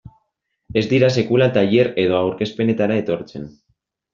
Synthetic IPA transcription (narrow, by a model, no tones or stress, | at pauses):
e̞zd̪iɾas̬e̞kulat̪aʎe̞ɾe̞ð̞o̞awɾke̞spe̞ne̞t̪aɾae̞t̪o̞ɾt͡se̞̰n